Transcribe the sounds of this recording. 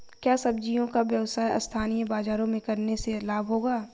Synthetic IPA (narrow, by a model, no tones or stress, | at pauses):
kjaːsɐbd͡ʒijõkaʋjɐwsaːjʔɐ̰st̪ʰaːnijəbaːzaːɾõmẽkɐɾneselaːbʱɦoːɡaː